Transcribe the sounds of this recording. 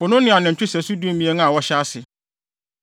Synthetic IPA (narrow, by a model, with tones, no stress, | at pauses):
ʊ˨nʊ̃˦nɪ̃˦˨ã˨nɪ̃˨ɲ̩˨t͡ɕᶣʊ˦sæ˨su˦du˦o˦mĩ˨e˦ñ˦a˨wɔ˦ɕa˦sɪ˨